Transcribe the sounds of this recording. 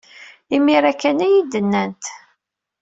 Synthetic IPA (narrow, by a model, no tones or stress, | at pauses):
imiɾækːænæjid̪ənːænt̪